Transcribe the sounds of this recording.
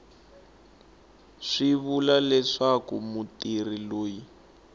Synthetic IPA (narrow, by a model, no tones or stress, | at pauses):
ʂiβulalɛʂakṵmutir̤iloːji